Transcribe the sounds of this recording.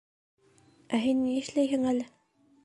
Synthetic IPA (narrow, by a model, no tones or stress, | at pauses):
æɦinːiɘ̆ʃlæjhɘŋælɘ